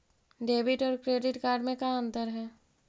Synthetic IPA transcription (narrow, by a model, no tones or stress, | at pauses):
ɖeːbɪʈɔːɾkɾeːɖɪʈkaːɾɖmẽkaə̃nt̪əɾɦɛː